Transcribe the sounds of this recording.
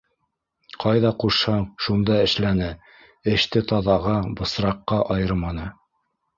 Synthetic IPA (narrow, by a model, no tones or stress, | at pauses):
qɑjðɑquʃhɤɑɴʃund̪ɑɘ̆ʃlænɘ | ɘ̆ʃt̪ɘt̪ɑðɑʁɑbɤ̆sɾɑqːɑʔɑjɤɾmɑnɤ